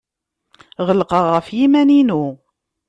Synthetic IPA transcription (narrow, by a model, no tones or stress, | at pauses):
ʁəlqəʁːəfjimæninu